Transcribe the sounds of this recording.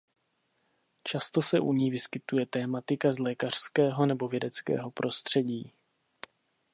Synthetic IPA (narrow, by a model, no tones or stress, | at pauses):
t͡ʃast̪o̞sɛʔuɲiːvɪskɪt̪ujɛt̪ɛːmat̪ɪkazlɛːkar̥skɛːɦo̞nɛbo̞vjɛdɛt͡skɛ̰ːɦo̞pɾʔo̞st̪r̝̥ɛɟiː